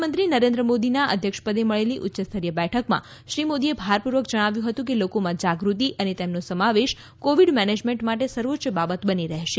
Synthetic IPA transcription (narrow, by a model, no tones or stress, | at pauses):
mənt̪ɾinəɾẽnd̪ɾəmod̪inaʔə̰d̪ʱjəkʃəpəd̪eməɭeliʔʊtːʃəst̪ʰəɾjəbɛʈʰəkmã̰ | ʃɾimod̪iebʱaɾpuɾʋəkd͡ʒəɽ̃aʋjũɦət̪ũkelokomãd͡ʒaɡɾut̪iʔənet̪emnosəmaʋeʃ | koʋiɖmɛned͡ʒmeɳʈmaʈesəɾʋotːt͡ʃbabət̪bəniɾəɦʃe